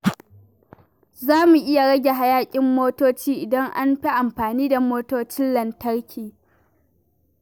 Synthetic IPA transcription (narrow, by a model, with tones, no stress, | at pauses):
zaː˦mu˨ʔɪ˦ja˨ɽɐ˦ɡʲe˨ɦa˦jaː˦kʲʼɪ˦mːoː˦toː˦t͡ʃiː˦ʔɪ˨dɐ˦ŋʔa̰˦nɸi˦ʔa˨mɸaː˨niː˦da˨moː˦toː˦t͡ʃɪ˦nlɐ˨ntɐ˦ɽkʲʰiː˨